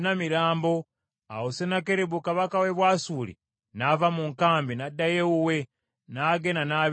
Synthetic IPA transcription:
namiɾaːmbo | a̰wosenakeɾebukaβakaweβwaːsulḭ | navamuŋkaːmbinadːajeuwe | naːɡenana

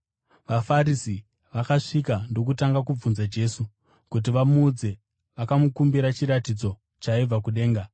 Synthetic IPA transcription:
ʋafaɾisi | ʋakaʂikando̞k̬utaŋɡakub͡vunzad͡ʒe̞su | kut̬iʋamuːd͡ze̞ | ʋakamukumbiɾat͡ʃiɾatid͡zo̞ | t͡ʃaib͡vakuɗe̞ːŋɡa

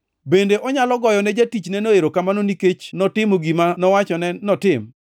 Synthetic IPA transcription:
bendeʔɔɲalɔɡɔjɔnɛd͡ʒatit͡ʃnɛnoeɾokamanoniket͡ʃnɔtɪmoɡimanɔwat͡ʃɔnɛnɔtɪm

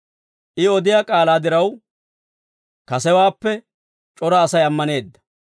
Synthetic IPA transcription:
ʔɪɔd̪ɪjaːkʼaːlaːd̪ɪɾɐw | kɐsɛwaːpːɛ | t͡ʃʼɔɾaːsɐjɐmːɐne̞ːd̪ːɐ̥

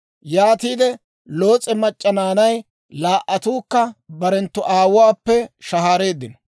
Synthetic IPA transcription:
jaːt̪iːd̪ɛ | lo̞ːt͡sʼɛmɐt͡ʃʼːɐnaːnɐj | laːʔːɐt̪uːkːɐbɐɾɛnt̪ːʊʔaːwʊwaːpːɛʃɐɦaːɾe̞ːd̪ːɪnɔ

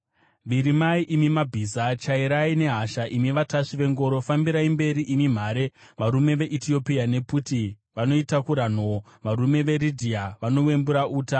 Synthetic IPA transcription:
ʋiɾimaiʔimimabʱizat͡ʃaiɾaine̞ɦaʃaʔimiʋataʂiʋe̞ŋɡo̞ɾo̞fambiɾaimbe̞ɾiʔimim̤aɾe̞ʋaɾume̞ʋe̞ʔitio̞piane̞puti | ʋano̞itakuɾan̤o | ʋaɾume̞ʋe̞ɾidʱiaʋano̞we̞mbuɾaʔuːta

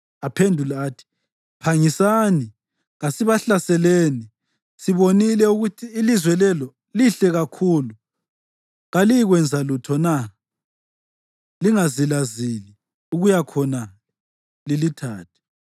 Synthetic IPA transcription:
apʰendʱulaːtʰi̥ | pʰaŋisani | ɣasiβaɬasɛleːni | siβonilɛuɣutʰiːlizwɛlɛlɔ | liɬɛɣakʰuːlu | ɣaliiɣwɛnd͡zʱalutʰɔna | liŋazilazili | uɣujakʰɔna | lilitʰaːtʰɛ̥

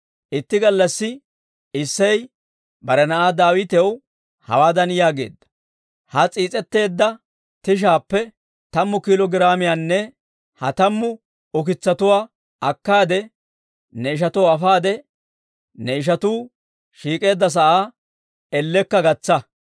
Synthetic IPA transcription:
ʔɪt̪ːɪɡɐlːɐsːɪ | ɪsːɐj | bɐɾɛnɐʔaːd̪aːwɪt̪ɛw | hɐ̰waːd̪ɐnjaːɡe̞̰ːd̪ːɐ̥ | hɐt͡sʼiːt͡sʼɛt̪ːe̞ːd̪ːɐ | t̪ɪʃ̬aːpːɛ | t̪ɐmːʊkɪlɔɡɪɾaːmɪjaːnːɛ | hɐ̰t̪ɐmːʊ | ɔk̬ɪt͡sːɐt̪ʊwaː | ɐkːaːd̪ɛ | nɛɪʃ̬ɐt̪ɔwɐfaːd̪ɛ | nɛɪʃ̬ɐt̪uː | ʃiːkʼe̞ːd̪ːɐs̬ɐʔaː | ɛlːɛkːɐɡɐt͡sːɐ

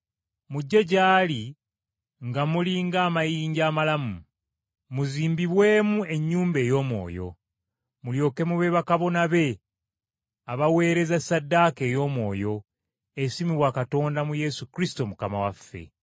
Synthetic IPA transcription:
muɟːe̞ɟaːli | ŋɡamuliŋɡaːmajiːɲɟaːmalamu | muziːmbiβwe̞ːmue̞ɲːuːmbe̞ːjo̞ːmwo̞̰ːjo̞̰ | muljo̞ːke̞muβe̞βakaβo̞naβe̞ | aβawe̞ːɾe̞zasadːake̞ːjo̞ːmwo̞ːjo̞ | esimiβwakato̞ːndamuje̞sukɾisi̥to̞mukama̰wafːe̞̰

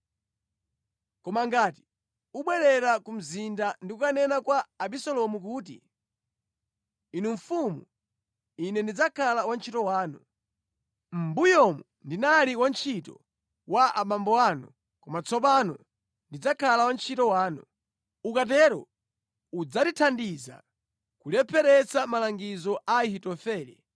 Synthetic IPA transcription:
kɔmaŋɡaːti̥ | uɓwɛɾɛɾakum̩zindandiukanɛnakwaːɓisɔlɔmuk̬uːtḭ | inuɱfumṵ | inɛndid͡zakʰalawant͡ʃʰitɔwaːnu | m̩bujɔmu | ndinaliwant͡ʃʰitɔ̰ | waʔaɓambɔwanɔ̰ | kɔmat͡sɔp̬anɔ̰ | ndid͡zakʰalawant͡ʃʰitɔwaːnu | ukat̬ɛɾɔ̰ | ud͡zatitʰandiza̰ | kulɛpʰɛɾɛt͡samalaŋɡizɔʔaihitɔfɛːlḭ

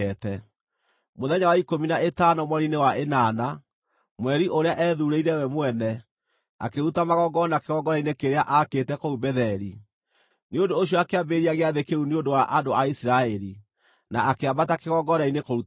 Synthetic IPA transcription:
ɛtɛ | moðɛɲawaikominaetaːnɔmwɔɾinewaenana | mwɛɾiʔoɾeaʔɛðuɾeiɾɛwɛmwɛnɛ | a̰keɾutamaɣɔɡɔnakeɣɔɡɔɾainekeɾeaʔaketɛkoubɛðɛɾi | neondoːɕ̬jɔakeabeɾiaɣeaðekeuneondowaʔadoaisiɾaɛɾi | naakeabatakeɣɔɡɔɾainekoɾu

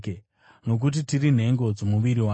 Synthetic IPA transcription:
e | no̞k̬ut̬itirin̤e̞ŋɡo̞d͡zomuʋiɾiwa

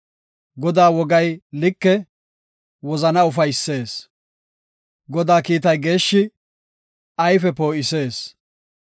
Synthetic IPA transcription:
ɡɔd̪aːwɔɡɐjlɪkːɛ | wɔzɐnɐʊfɐjsːe̞ːs | ɡɔd̪aːkiːt̪ɐjɡe̞ːʃːɪ | ɐjfɛpo̞ːʔɪse̞ːs

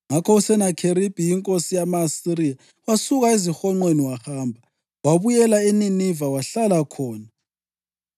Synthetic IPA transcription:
ŋakʰɔusɛnakʰeɾib̥ʱijiŋkʼosijamaːsiɾija | wasuɣaezixɔŋ͡ǃweniwahaːmbʱa | waβujɛlaeninivawaɬalakʰɔːna

